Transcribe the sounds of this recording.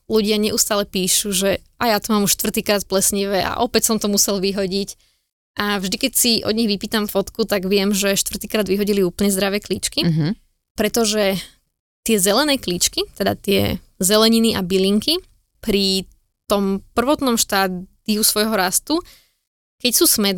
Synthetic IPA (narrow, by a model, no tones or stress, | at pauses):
luɟɪaɲɛʔuːst̪aːlɛpiːʃuʒɛ | ʔajaːt̪ɔmaːmuʃt̪ʋr̩t̪iːkɾaːt̪̚plɛsɲiʋɛʔa̰ʔɔpɛcsɔmt̪ɔmusɛlʋiɦɔɟic | ʔavʒd̪ikɛcsiʔɔ̰d̪ɲɛɣʋipiːt̪amfɔt̪kut̪aɡʋɪɛmʒɛʃt̪ʋr̩t̪iːkɾaːd̪ʋiɦɔɟiliuːpl̩ɲɛzd̪ɾaʋɛːkliːt͡ʃki | pɾɛt̪ɔʒɛ | t̪ɪɛzɛlɛnɛːklit͡ʃkit̪ɛd̪a̰t̪ɪɛ̰ | zɛlɛɲiniʔabiliŋki | pɾi | t̪ɔmpr̩ʋɔt̪nɔmʃt̪aːd̪̥iusʋɔjɦɔɾast̪u | kɛcsuːsmɛd̪